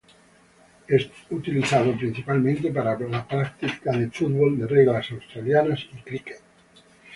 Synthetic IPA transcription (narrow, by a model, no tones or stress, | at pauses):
est̪ut̪iliθaðopɾinsipalmẽnt̪epaɾalapɾak̚t̪ikaðefut̪bold̪ereɣlasawst̪ɾaljanasikɾiket̪